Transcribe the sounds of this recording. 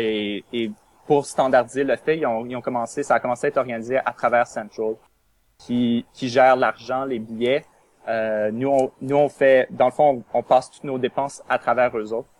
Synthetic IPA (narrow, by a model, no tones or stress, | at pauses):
eː | puʁst̪ɑ̃d̪aʁd̪izeləfɛiɔ̃iɔ̃kɔmɑ̃sesaːkɔmɑ̃seaɛt̪ɔʁɡanizeʔat̪χavɛːʁsɛ̃t̪ɔl | kʲʰikʲiʒɛːʁlaʁʒɑ̃lebijɛ | ønuɔ̃nuɔ̃fɛd̪ɑ̃ləfɔ̃ɔ̃pɑːst̪ut̪nod̪epɑ̃sat̪χavɛːʁøzoːt̪χ